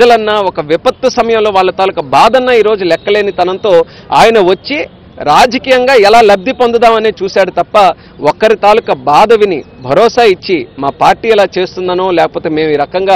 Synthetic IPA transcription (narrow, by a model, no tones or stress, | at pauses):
ɐlɐnːaːɔkɐʋipɐt̪wɐsɐmɐjɐmlo̞ːʋaːɭːɐt̪aːlukɐbaːd̪ɐnːaːiːɾo̞ːd͡ʒulɛkːɐle̞ːnit̪ɐnɐnt̪o̞ː | a̰ːjɐnɐʋɐt͡ʃːi | ɾaːd͡ʒɐkiːjɐŋɡaːɛlaːlɐb̚d̪ipond̪ɐd̪aːmɐneːt͡ʃuːsaːɽut̪ɐpːɐ | ɔkːɐɾit̪aːlukɐbaːd̪ɐʋinḭbʱɐɾɔːsaːit͡ʃːimaːpaːɾʈiːɛlaːt͡ʃe̞ːst̪und̪aːnoːlɛːkɐ̥poːt̪e̞ːme̞ːmiːɾɐkɐŋɡaː